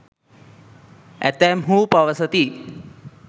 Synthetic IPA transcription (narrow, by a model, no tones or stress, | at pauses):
æ̰t̪ɛːmɦuːpɐʋəsət̪i